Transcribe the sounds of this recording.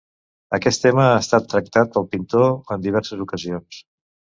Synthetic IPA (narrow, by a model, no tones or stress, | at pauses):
əkɛst̪ːeməast̪at̪ːɾək̚t̪at̪̚pəlˠpint̪oənd̪iβɛɾsəzukəzions